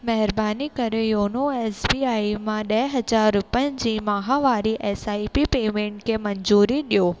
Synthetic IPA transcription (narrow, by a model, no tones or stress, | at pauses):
mɛɦɪɾbaːnikɐɾejoːnoeːsbiːaːimãɗɐɦɪɦɐd͡ʑaːɾɾʊpə̃nd͡ʑiːmaɦaʋaːɾiʔeːsaːipipeːmẽːɳʈkʰemɐɲzuːɾiɗijoː